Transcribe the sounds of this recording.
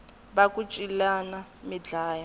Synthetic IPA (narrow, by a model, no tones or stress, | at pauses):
βakʼut͡ʃʼilanamid͡ɮaːja